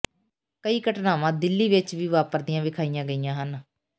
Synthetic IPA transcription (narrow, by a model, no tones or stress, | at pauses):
kəiːkəʈnaːʋãːd̪ɪlːiːʋɪt͡ʃʋiːʋaːpəɾd̪ijãːʋɪkʰaːijãːɡəijãːɦən